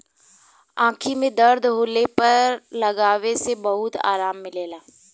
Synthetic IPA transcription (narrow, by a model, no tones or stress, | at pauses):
ãːkʰimẽd̪ɐɾd̪ʱɦoːlepɐɾlɐɡaːʋesebɐɦʊt̪a̰ːɾaːmːɪleːlaː